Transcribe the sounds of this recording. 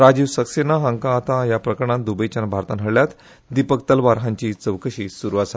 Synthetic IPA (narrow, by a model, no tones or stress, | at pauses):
ɾad͡ʑiːʋsəksenaɦãŋkãːt̪ãjapɾəkɾəɳãnd̪ubəjt͡ɕanbʱaɾt̪anɦəɭljat̪ | d̪ipəkt̪əlʋaɾɦãɲt͡ɕiːt͡səʋkəɕiːsuɾuʋasa